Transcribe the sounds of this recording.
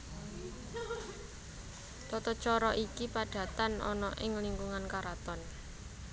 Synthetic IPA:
t̪ɔt̪ɔt͡ʃɔɾɔʔikipaɖ̥ä̤t̪anɔ̰nɔʔɪŋliŋɡuŋankaɾat̪ɔn

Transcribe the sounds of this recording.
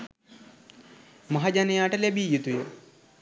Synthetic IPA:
mɐɦɐd͡ʒanejaːʈɐlebijut̪ujə

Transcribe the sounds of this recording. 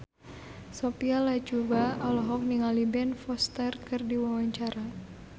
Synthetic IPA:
sopialat͡ʃubaɔlɔɦɔk̚niŋalibɛnfɔst̪ɛrkɨrdiwawaɲt͡ʃaɾa

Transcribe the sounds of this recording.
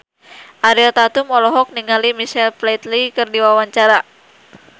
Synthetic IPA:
ʔaɾilt̪at̪umɔlɔɦɔk̚niŋalimiʃɛlplet̪likɨrdiwawaɲt͡ʃaɾa

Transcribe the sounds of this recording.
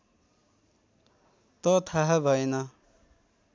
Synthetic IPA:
t̪ʌt̪ʰaɦʌbʱʌjenʌ

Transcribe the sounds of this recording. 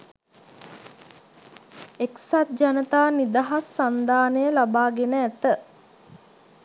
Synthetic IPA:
eksat̪̚d͡ʒanət̪aːnid̪aɦasːand̪aːnəjəlabaːɡenəæt̪ə

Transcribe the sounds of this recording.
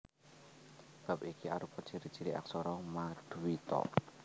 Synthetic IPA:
b̥a̤p̚ikia̰ɾupɔ̥t͡ʃiɾi̥t͡ʃiɾiʔa̰ksɔɾɔmad̪̥uwit̪ɔ̰

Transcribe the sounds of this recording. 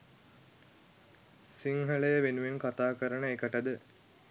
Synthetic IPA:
siŋɦələjəʋenuʋenkat̪aːkəɾəɳəekəʈəd̪ə

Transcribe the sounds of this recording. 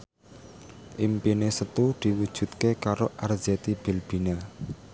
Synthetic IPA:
ʔimpinesət̪ud̪̥i̤wud̥ʒ̥ṳt̪̚kekaɾoʔarz̥ɛt̪ib̥i̤lb̥i̤na

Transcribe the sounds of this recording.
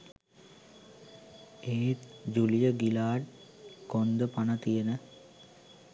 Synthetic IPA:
eːt̪d͡ʒulijəɡilaːʈ | kond̪əpanɐt̪ijenə

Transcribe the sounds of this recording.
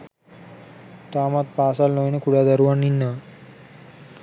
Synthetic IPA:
t̪aːmat̪̚paːsalnojnekuɽad̪əɾuʋaɳinːa

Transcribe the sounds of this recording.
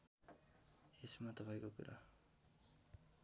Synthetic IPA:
esmat̪ʌpajkokuɾa̰

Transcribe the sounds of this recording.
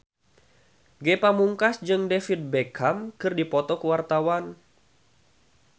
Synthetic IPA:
ɡepamuŋkasd͡ʒɨŋdefit̪̚bekʰamkɨrdipɔt̪ɔkəwart̪awan

